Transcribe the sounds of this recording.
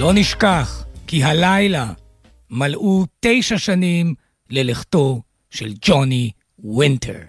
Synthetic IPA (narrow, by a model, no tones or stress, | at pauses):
loniʃkaːχkiɦalajla | malʔuːt̪ejʃaʃaniːm | leleχt̪o | ʃeld͡ʒoni | wint̪ʰḛɾ